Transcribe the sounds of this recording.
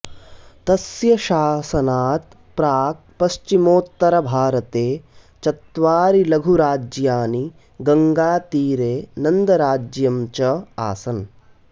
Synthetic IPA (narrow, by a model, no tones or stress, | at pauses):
t̪ɐsjɐʃaːsɐnaːt̪̚ | pɾaːk̚ | pɐʃt͡ʃimoːt̪ːɐɾɐbʱaːɾɐt̪eːt͡ʃɐt̪ʋaːɾilɐɡʱuɾaːd͡ʒjaːni | ɡɐŋɡaːt̪iːɾeːnɐnd̪ɐɾaːd͡ʒjɐmt͡ʃɐa̰ːsɐn